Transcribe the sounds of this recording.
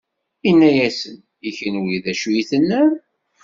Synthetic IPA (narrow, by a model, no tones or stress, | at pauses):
inːæjæsən | içənwiðæʃujiθənːæ